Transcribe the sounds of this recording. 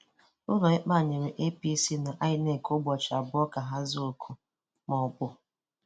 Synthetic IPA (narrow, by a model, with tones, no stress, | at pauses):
ʊ˦lɔ˨ɪ˦k͡pa˦˨ɲe˨ɾe˨ʔe˦pi˦si˦na˨ʔa˦ɪ˨ne˦˨ko˦ɡ͡bɔ˨t͡ʃa˨bʊ˦ɔ˦ka˨ɦa˦zu˦˨lkʰʊ˨ | mɔ˨bʊ˦